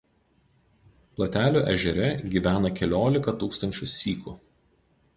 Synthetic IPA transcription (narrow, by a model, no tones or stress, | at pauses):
plˠɐt̪ʲæːlʲuːʔɛ̰ʒʲɛɾʲɛɡʲiːʋʲæːnɐkʲɛlʲoːlʲɪkɐt̪uːkst̪ɐnʲt͡ʃʲʊsːʲiːku